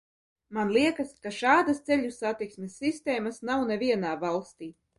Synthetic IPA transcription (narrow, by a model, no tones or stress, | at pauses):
manlˠiɛkaskaʃaːd̪ast̪sɛʎʲusat̪iksmʲesʲːist̪ɛːmasnawnɛvʲiɛnaːvalˠst̪iː